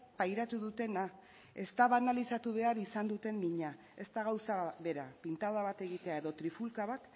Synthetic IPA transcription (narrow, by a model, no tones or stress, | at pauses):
pajɾat̪uðut̪e̞na | e̞st̪aβanalisat̪uβe̞aɾisand̪ut̪e̞mmiɲa | est̪aɣawsaβe̞ɾa̰pint̪aðaβat̪e̞ɣit̪e̞ae̞ðo̞t̪ɾifulkaβat̪